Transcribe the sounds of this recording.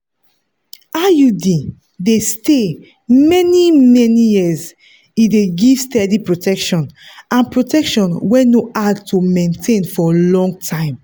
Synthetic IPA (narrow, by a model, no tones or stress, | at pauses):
ajudi | deste | mɛnimɛnijiz | ideɡistɛdipɹotɛkʃɔ̃nãnpɹotɛkʃɔ̃nwɛnoʔadtʰumẽntʰẽnfɔlɔ̃ŋɡ̚tʰãɪ̃m